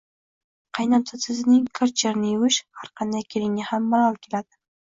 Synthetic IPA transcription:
qʰɑjnɑnt̪ʰɑsʰɪznɪŋkʰaɾt͡ʃʰeɾnɪjɪwɪʃhaɾqʰɑnd̪ajkʲʰelɪŋnʲɪhamːɑɾɑlˠkʲʰelad̪̥ɪ̥

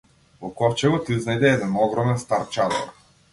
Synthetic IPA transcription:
vɔkɔft͡ʃɛɡɔt̪iiznajd̪ɛɛd̪ɛnɔɡɾɔmɛnst̪aɾt͡ʃat̪ɔ̰ɾ

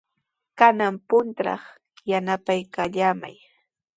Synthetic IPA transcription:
kanampʊnt̪ɾɑ̰χ | janapajkaʎama̰j

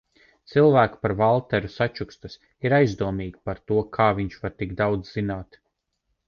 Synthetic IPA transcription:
t̪silˠvæːkpaɾvalˠt̪ɛɾusat͡ʃukst̪us | iɾajzd̪uɔmiːɡʲipaɾt̪uɔkʰaːviɲt͡ʃvaɾt̪iɡd̪awd̪zz̥inaːt̪

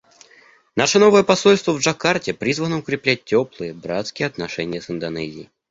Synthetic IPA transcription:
naʂəno̞vəjəpɐsolʲst̪vəvʐɐkartʲɪpɾʲizvənəʊkɾʲɪplʲæt̚ʲtʲːoplˠɨjəbɾat̪skʲɪjɛɐt̪nɐʂɛnʲɪjəsɨnd̪ɐnɛ̰zʲɪji

